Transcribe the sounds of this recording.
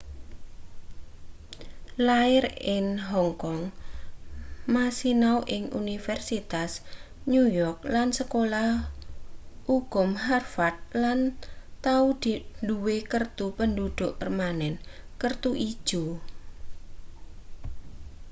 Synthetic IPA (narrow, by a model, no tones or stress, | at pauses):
laɪrɪnɦɔŋkɔŋ | masinawʔɪŋṵnifɛrsit̪as | nujɔrk̚lansəkolah | uɡ̥ʊ̤mɦarfat̪̚lant̪aud̪̥iduwekərt̪upəndud̪̥ʊʔpərmanɛnkərt̪uʔid̥ʒ̥u